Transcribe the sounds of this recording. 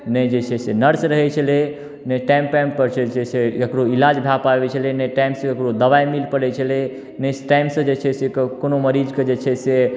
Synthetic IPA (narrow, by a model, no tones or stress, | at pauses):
nəd͡ʒet͡ʃʰɛsenəɾsɾəɦɛt͡ʃʰəle | nəʈajmpajmpəɾt͡ʃʰet͡ʃeseəkɾoilad͡ʒbʱjapabɛt͡ʃʰəlɛnəjʈajmsə̃əkɾod̪əʋajmilpəɽɛt͡ʃʰəlɛ | nəsʈajmsə̃d͡ʒet͡ʃʰɛsekonoməɾid͡ʒked͡ʒet͡ʃʰɛse